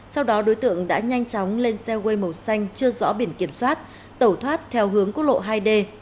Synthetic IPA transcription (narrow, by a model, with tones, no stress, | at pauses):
sa˧wɗɔ˨˦ɗo˨˦jt̪ɨ̰˧˨əŋɗa̰ː˧˥ɲa˧jŋ̟t͡ɕɔ˨˦wŋ͡mle˧nsɛ˧ɣe˧jmə˨˩sa˧jŋ̟t͡ɕɨ˧əzɔ̰˧˥ɓi˧˩ənki˧˩əmswaː˦˥t̚ | t̪ə˧˩wt̪ʰwaː˦˥t̚t̪ʰɛ˧wɦɨ˨˦əŋku˦˥t̚lo̰˧˨ɦaː˧jɗe˧